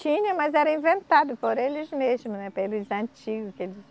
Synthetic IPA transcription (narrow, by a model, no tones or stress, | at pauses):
t͡ʃĩɲɐ̃mɐzɛɾɐĩvẽnt̪ad̪ʊpoɾelɪzmezmʊnɛpelʊzɐ̃nt͡ʃiɡʊkelɪs